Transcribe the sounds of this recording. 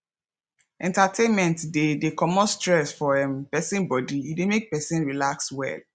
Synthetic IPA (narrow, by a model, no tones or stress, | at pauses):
ʔɛ̃ntatʰẽnmɛ̃ntdedekɔmɔstɹɛsfɔɛpɛsĩnbɔdiidemek̚pɛsĩnɹilakswɛ̰l